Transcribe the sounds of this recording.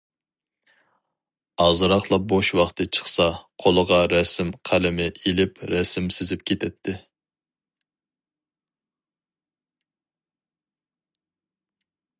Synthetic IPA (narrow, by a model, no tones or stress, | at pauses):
ɑzɨɾɑχlˠɑp̚boʃwɑχt̪ʰɨt͡ʃʰə̥χsɑqʰolˠəʁɑɾɛsɪmqʰælɪmɪʔelɪpɾɛsɪmsɪzɪp̚kʲʰet̪ʰɛt̪ʰːɪ